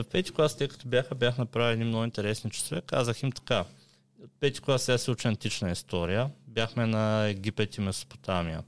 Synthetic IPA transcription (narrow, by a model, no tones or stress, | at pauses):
fpɛt̪i̥klˠast̪əjkə̥t̪ɔbʲjaxəbʲjaxnɐpɾavʲilʲiɛd̪inmnoɡint̪ɛɾɛsnit͡ʃɛ̥svɛkːa̰zəximt̪ɐ̥ka | pɛt̪i̥klˠasʲasɛut͡ʃɛɐnt̪it͡ʃnəist̪ɔɾijəbʲjaxmɛnɐɛɡʲipɛt̪ʲimɛso̥po̥t̪amijə